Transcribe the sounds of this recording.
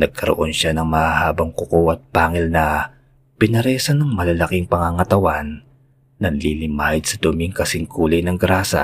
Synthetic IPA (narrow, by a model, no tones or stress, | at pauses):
nɐɡ̚kʰɐɾo̰ʔo̞nʃanɐŋmɐhahaːbɐŋkʊkowɐt̪̚paːŋɛlnɐ | pɪnɐɾɛsɐnɐŋmɐlɐlakɪŋpɐŋaŋɐt̪ɐwanː | ɐnlilɪmaːhɪd̪sɐd̪omiŋkɐsɪŋkuːlɐjnɐŋɡɾaːsɐ̰